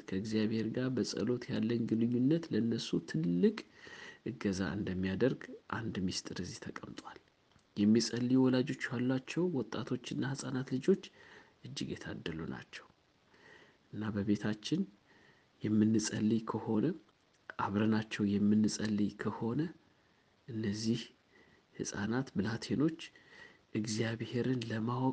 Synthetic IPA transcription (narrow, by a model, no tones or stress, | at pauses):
kʰəɨɡzijaβhe̞ɾɡaɾbəsʼə̰lo̞t̪ʰjalːəɲɡɨnɨɲːunːət̪ləɨnːəsut̪ʰɨlːɨkʼʔɨɡəza̰ʔɨ̰nd̪əmːijad̪əɾɡʔa̰nd̪mist̪ʼɨɾɨzit̪ʰəkʼəmt̪ʼwal | jɛmːisʼəlːijwɔlad͡ʒo̞t͡ʃːjalːat͡ʃːɛwwɔt̪ʼːat̪ʰo̞t͡ʃːɨnːahəsʼanat̪lɨd͡ʒo̞t͡ʃːʔɨd͡ʒːɪɡjɛt̪ʰa̰d̪ːəluna̰t͡ʃːɛw | ʔɨnːabəβe̞t̪ʰat͡ʃːɪn | jɛmːɨnːɨsʼəlːikʰəho̞nə | ʔaβɾənat͡ʃːɛwjɛmːɨnːɨsʼəlːikʰəho̞nə | ʔɨnːəzːih | hɨsʼa̰nat̪bɨlat̪ʰe̞no̞t͡ʃːʔɨɡzijaβhe̞ɾɨnləmawʼ